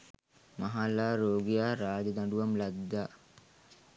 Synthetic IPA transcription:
maɦalaːɾoːɡijaːɾaːd͡ʒəd̪aɳɖuʋamlad̪ːaː

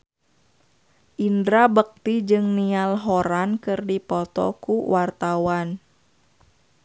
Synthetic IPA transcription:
ʔindɾabək̚t̪id͡ʒɨŋnialɦɔɾankɨrdipɔt̪ɔ̰kuwart̪awan

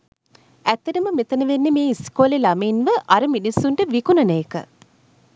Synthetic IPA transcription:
æt̪ːɐʈɐməmet̪ɐnɐʋenːemeːiskoːlelɐmeːnʋəʔɐɾɐminisuɳʈəʋikunɐnɐekə̰

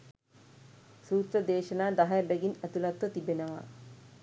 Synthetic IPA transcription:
suːt̪rɐd̪eːʃɐnaːd̪ɐɦɐjɐbeɡinɐt̪ulɐt̪ʋɐt̪ibenɐʋa̰

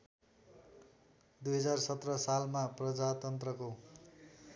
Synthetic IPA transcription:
d̪ujɦʌd͡zarsʌt̪rʌsalmaprʌd͡zat̪ʌnt̪rʌko

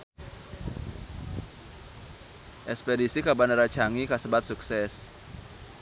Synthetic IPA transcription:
ʔɛkspedisikabanaɾat͡ʃaŋikasəbat̪̚suksɛs

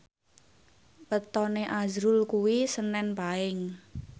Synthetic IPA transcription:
wət̪ɔneʔazɾʊlkuwisənɛnpaɪŋ

